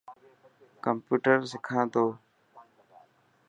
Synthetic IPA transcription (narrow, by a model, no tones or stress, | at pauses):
kəmpuːʈəɾsɪkʰãːt̪oː